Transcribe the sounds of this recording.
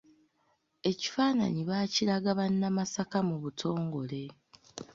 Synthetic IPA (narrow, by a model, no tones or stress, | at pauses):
e̞ci̥faːna̰ɲiβaːciɾaɡaβanːamasakamuβutʰo̞ːŋɡo̞le̞